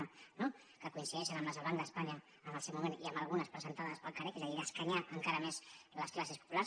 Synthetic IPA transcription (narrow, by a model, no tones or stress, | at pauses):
no | kəkuinsiðɛʃənəmləzəβand̪əːspaɲəː | nəlˠsewmumeniəmbəlˠɣ̞unəspɾəzənt̪aðəspəlˠkarekezəðiðəskaɲaʔəŋkaɾəmezləsklasiəspu̥pulaɾs